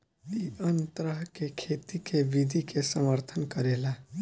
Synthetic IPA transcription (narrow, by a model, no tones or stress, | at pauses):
iənt̪ɾəɦkekʰeːt̪ikeʋid̪ʱikesəməɾt̪ʰənkəɾeːlaː